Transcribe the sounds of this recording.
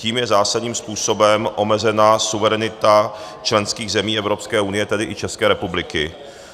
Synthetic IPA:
ciːmjɛzaːsadɲiːmspuːso̞bɛmʔo̞mɛzɛnasuvɛɾɛnɪt̪a | t͡ʃlɛnskiːɣzɛmiːɛvɾo̞pskɛːʔunɪjɛt̪ɛdɪʔɪt͡ʃɛskɛːɾɛpublɪkɪ

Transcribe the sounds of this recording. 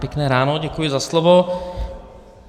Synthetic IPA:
pjɛknɛːɾaːnoɟɛkujɪzaslovo

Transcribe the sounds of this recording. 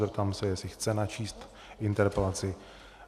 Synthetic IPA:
ɾt̪amsɛjɛsɪxt͡sɛnat͡ʃiːst̪ | ʔɪnt̪ɛɾpɛlat͡sɪ

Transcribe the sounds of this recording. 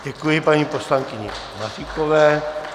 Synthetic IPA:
ɟɛkujɪpaɲiːposlaŋkɪɲɛ̰masikovɛː

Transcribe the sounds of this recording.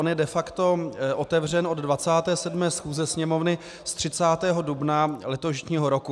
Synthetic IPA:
onjɛdɛfakt̪o̞ʔot̪ɛvr̝ɛnʔo̞d̪dvat͡saːt̪ɛːsɛdmɛːsxuːzɛsɲɛmo̞vnɪ | st̪r̝̥ɪt͡saːt̪ɛːɦo̞dubnalɛt̪oʃɲiːɦoɾoku

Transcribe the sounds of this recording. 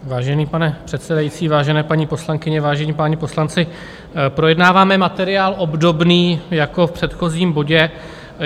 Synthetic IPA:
vaːʒɛniːpanɛpr̝̥ɛt̪sɛdajit͡siːvaːʒɛnɛːpaɲiːpo̞slaŋkɪɲɛvaːʒɛɲiːpaɲɛpo̞slant͡sɪ | pɾo̞jɛdnaːvaːmɛmat̪ɛɾɪaːlʔo̞bdo̞bniːjako̞fpr̥ɛt̪xo̞ziːmbo̞ɟɛ

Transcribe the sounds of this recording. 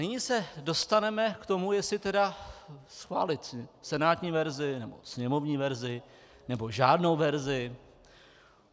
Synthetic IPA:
nɪɲisɛdo̞st̪anɛmɛkt̪o̞mujɛsɪt̪ɛdasxva̰ːlɪt̪sɛnaːt̪ɲiːvɛɾzɪnɛbo̞̰sɲɛmo̞vɲiːvɛɾzɪ | nɛbo̞ʒaːdno̞wvɛɾzɪ

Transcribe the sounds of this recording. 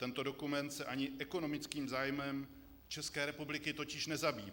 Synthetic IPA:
t̪ɛnt̪o̞do̞kumɛnt̪sɛʔaɲɪʔɛko̞no̞mɪt͡skiːmzaːjmɛm | t͡ʃɛskɛːɾɛpublɪkɪt̪o̞cɪʃnɛzabiː

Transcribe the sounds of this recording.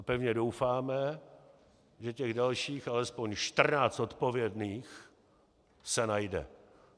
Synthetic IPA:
pɛvɲɛdowfaːmɛ | ʒɛcɛɣdalʃiːxalɛspo̞ɲʃt̪r̩naːt͡st̪ot̪povjɛdniːx | sɛnajdɛ̰

